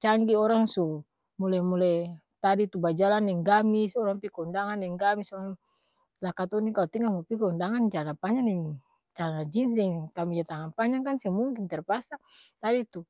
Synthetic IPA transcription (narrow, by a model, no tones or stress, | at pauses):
t͡ʃaŋɡiɔɾaŋsu | mulamulɛj | t̪adit̪ubad͡ʒalanːɛŋɡamisɔɾaŋpikaundaŋanːɛŋɡamisɔɾaŋ | lakat̪ɔnikalɔt̪iŋaŋɔpikaundaŋand͡ʒanapaɲaŋnɛŋ | t͡ʃalanad͡ʒins̬ɛŋkamid͡ʒat̪aŋanpaɲaŋkansɛmuŋkint̪ɛrpasa | t̪adit̪u